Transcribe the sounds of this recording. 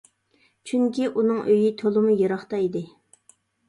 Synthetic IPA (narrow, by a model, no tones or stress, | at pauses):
t͡ʃʰyŋkʲiʔunɨŋʔøjit̪ʰolˠɨmujeɾɑχt̪ɑid̪ɪ